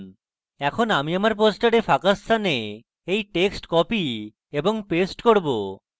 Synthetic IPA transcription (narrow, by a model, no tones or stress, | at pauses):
ɛkʰonamiamaɾp̬osʈaɾefʰakast̪ʰane | ejʈeksʈkɔpi | eboŋpesʈkoɾbo